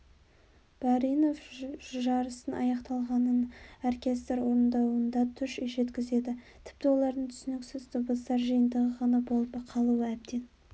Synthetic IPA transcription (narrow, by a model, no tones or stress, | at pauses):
b̥ɑɾijno̞fʒɑɾəsənʔɑ̰jɑqt̪ɑlˠʁɑnənorkʲe̞st̪ɾwo̞ɾnd̪ɑwənd̪ɑt̪ʰʏʃʒe̞t̪kʲɪze̞d̪ɪt̪ʰɪ̥p̚t̪ɪwo̞lˠɑɾd̪əɴt̪ʰʏ̥sɪnɪksɪzt̪ʰobəst̪ɑɾʒəjənd̪əʁəʁɑnɑbo̞lˠpqʰɑlˠuwəæb̚d̪e̞n